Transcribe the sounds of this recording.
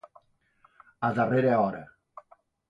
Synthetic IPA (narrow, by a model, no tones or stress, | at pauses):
aðareɾeɔɾḛ